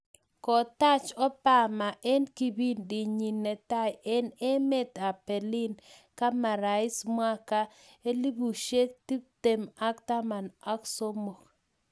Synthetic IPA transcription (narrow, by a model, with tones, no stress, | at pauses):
kɔ˨t̪a˦t͡ʃɔ˦pa˦˨ma˨ʔɛ˦nki˦bi˦ndi˨ɲi˨nɛ˨ta˦jɛ˦ne˦me˦t̪a˨pɛ˨lɪ˦n | ka˦ma˨ɾa˨ɪ˦smwa˦ka˦ | e˦li˦bu˨ʃe˦t̪i˦p̚t̪e˨ma˦kt̪a˦ma˨na˦kso˦mo˨k